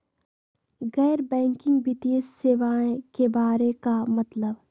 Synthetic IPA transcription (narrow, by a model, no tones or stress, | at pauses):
ɣɛːɾbɛ̃ːŋkɪ̃ŋɡʋɪt̪iːəsːeːʋaːẽkebaːɾekamɐt̪ləb